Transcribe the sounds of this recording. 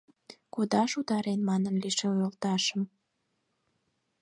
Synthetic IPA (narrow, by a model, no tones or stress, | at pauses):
kod̪ɑʃut̪ɑɾenmɑnənliʃeojəlt̪ɑʃəm